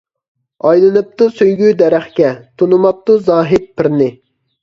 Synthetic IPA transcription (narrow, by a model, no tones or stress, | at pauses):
ɑjlˠɨnɨp̚t̪usøjɡʲyd̪ɛɾæχkʲɛt̪ʰunumɑp̚t̪uzɑːɦɪt̪̚pʰɪɾnɪ